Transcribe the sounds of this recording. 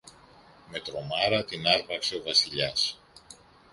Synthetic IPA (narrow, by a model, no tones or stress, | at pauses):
me̞t̪ɾo̞mɐɾɐt̪inɐɾpɐkse̞o̞vɐsiʎɐs